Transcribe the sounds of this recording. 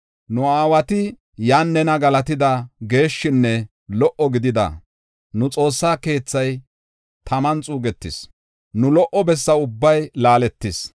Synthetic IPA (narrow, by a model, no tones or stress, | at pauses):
nʊaːwɐt̪ɪ | jaːnːɛnɐɡɐlɐt̪ɪd̪ɐɡe̞ːʃːɪnːɛ | lɔʔɔɡɪd̪ɪd̪ɐ̰ | nʊt͡sʼo̞ːsːaːke̞ːt͡sːɐj | t̪ʰɐmɐnt͡sʼuːɡɛt̪ːɪs | nʊlɔʔɔbɛsːɐʊbːɐjlaːlɛt̪ːɪs